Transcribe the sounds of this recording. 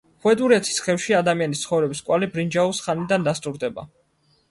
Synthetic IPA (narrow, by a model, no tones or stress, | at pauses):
χuɛd̪ʼuɾɛt̪ʰi̥sχɛfʃiad̪amianist̪sʰχɔvɾɛbiskʼwalibɾind͡ʒausχanid̪and̪ast̪ʼuɾd̪ɛba̰